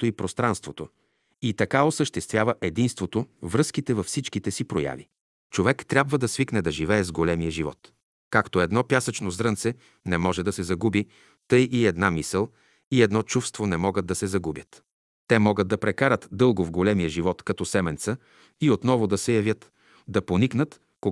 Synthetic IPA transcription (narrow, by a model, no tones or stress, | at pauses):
t̪oipɾost̪ɾanst̪vot̪o | it̪ɐkaosəʃt̪ɛst̪vʲjavəʔɛd̪inst̪vot̪ovɾɤsk̟it̪ɛvɐfsit͡ʃkit̪ɛsipɾoja̰vḭ | t͡ʃovɛkt̪ɾʲjabvəd̪ɐsviknɛd̪ɐʒivɛɛzɡolɛmijəʒivɔ̰t̪ | kakt̪oɛd̪nɔpjasɐt͡ʃnozɾɤnt̪sɛ | nɛmɔʒɛd̪ɐsɛzɐɡubi | t̪ɤjʔiɛd̪namisəlˠ | iɛd̪nɔt͡ʃufst̪vonɛmɔɡəd̪̚d̪ːɐsɛzɐɡubʲjət̪ | t̪ɛmɔɡəd̪̚d̪ɐpɾɛkaɾət̪d̪ɤlˠɡovɡolɛmijəʒivɔt̪kɐt̪ɔsɛmɛnt̪sə | iot̪nɔvʊd̪ɐsɛjɐvʲjət̪ | d̪ɐponiknət̪ | ko